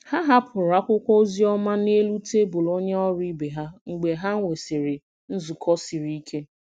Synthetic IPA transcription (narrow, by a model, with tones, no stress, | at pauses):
ha˦ɦa˦pʰʊ˨ɾa˦kʷʊ˦kʷo˦zi˦ɔ˦ma˦ne˦lu˦te˦bʊ˨lo˦ɲe˦ɔ˦ɾi˦be˨ɦa˦ŋ͡m̩˨ɡ͡be˨ɦa˦ŋ̩˦ŋʷe˨se˨ɾɪ˨ | n̩˦zʊ˨kʰɔ˦si˨ɾi˦i˦kʰe˦